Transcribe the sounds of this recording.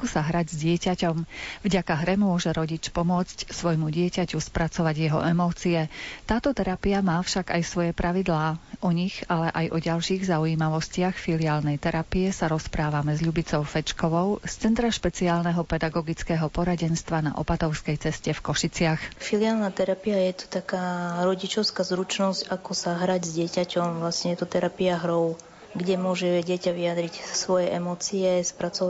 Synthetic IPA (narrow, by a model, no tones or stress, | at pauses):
kusaɦɾaɟzɟɪɛcacɔmvɟakaɦɾɛmʊɔʒɛɾɔɟit͡ʃpɔmʊɔt͡scsʋɔjmuɟɪɛcacuspɾat͡sɔʋaɟjɛɦɔ̰ʔɛmɔːt͡siɛt̪aːt̪ɔt̪ɛɾapiamaːfʃaɡajsʋɔjɛpɾaʋid̪laːʔɔɲixalɛʔajʔɔɟalʃiːɣzauiːmaʋɔscɪaxfilɪaːlnɛjt̪ɛɾapijɛsaɾɔspɾaːʋamɛzʎubit͡sɔʊfɛt͡ʃkɔʋɔʊst͡sɛnt̪ɾaʃpɛt͡siaːlnɛɦɔpɛd̪aɡɔɡit͡skɛːɦɔpɔɾaɟɛnst̪ʋana̰ʔɔ̰pat̪ɔʊskɛjt͡sɛscɛfkɔʃit͡sɪaxfiliaːlnat̪ɛɾapiajɛt̪u̥t̪akaːɾɔɟit͡ʃɔʊskazɾut͡ʃnɔzcakɔsaɦɾaɟzɟɪɛcacɔmʋlasɲɛjɛt̪ɔt̪ɛɾapiaɦɾɔʊ | ɡɟɛmʊɔʒɛɟɪɛcaʋiad̪ɾicsʋɔjɛʔɛmɔt͡siɛspɾat͡sɔ